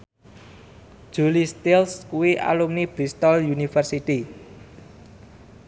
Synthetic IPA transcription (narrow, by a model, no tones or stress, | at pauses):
ʒ̥ṳlist̪ilskuwiʔa̰lumnib̥ɾist̪ɔljunifərsit̪i